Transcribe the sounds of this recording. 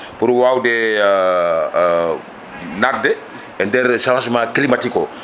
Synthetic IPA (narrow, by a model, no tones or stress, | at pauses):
puɾwawdɛ | nat̚dɛ | ɛndɛɾsalãs̬mãklimatiko